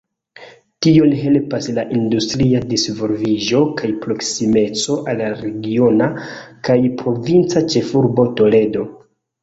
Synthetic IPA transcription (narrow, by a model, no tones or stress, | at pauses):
tionɦe̞lpaslaʔindustɾiadisvolviʒo̞kʰajpɾo̞ksime̞t͡so̞ʔalːaɾe̞ɡio̞nakajpɾo̞vint͡sat͡ʃe̞fuɾbo̞to̞le̞do̞